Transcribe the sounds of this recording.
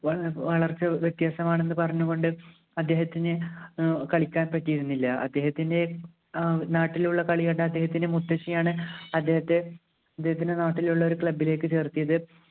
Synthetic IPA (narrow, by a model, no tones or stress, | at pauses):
ʋɐʋɐɭɐrt͡ɕːɐʋjet̪jaːsɐmaːɳe̞nːɨpɐrɐɲːuɣo̞ɳɖɨ | ɐd̪ːe̞ːɦɐt̪ːinɨ | kɐɭikʲːaːnpɐtːijiɾunːilːɐʔɐ̰d̪ːe̞ːɦɐt̪ːinde̞ | naːʈːiluɭːɐkɐɭiɣɐɳɖeɐd̪ːe̞ːɦɐt̪ːinemut̪ːɐɕijaːɳɨɐd̪ːehɐt̪ːe̞ | ɐd̪ːehɐt̪̬ːinde̞naːʈːiluɭːɐo̞ɾukɭɐbːile̞ːkːɨt͡ɕe̞ːrt̪ijɐðɨ